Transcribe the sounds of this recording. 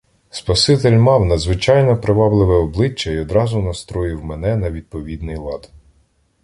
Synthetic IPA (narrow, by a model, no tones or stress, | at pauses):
spɐsɪt̪elʲmɑwnɐd̪zʋɪt͡ʃɑjnɔpɾɪʋɑblˠɪʋɛɔblˠɪt͡ʃːɐiɔd̪ɾɑzʊnɐst̪ɾɔjɪwmɛnɛnɐʋʲid̪̚pɔʋʲid̪nɪjlˠɑd̪